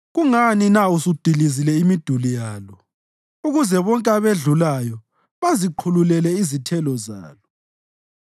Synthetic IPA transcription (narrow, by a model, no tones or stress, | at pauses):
ɣuŋaninausub̥ʱilizilɛimid̥ʱulijaːlɔ | uɣuzɛβɔŋkʼaβeɮulajɔ | βaziǃʰululɛlɛizitʰɛlɔza̰ːlɔ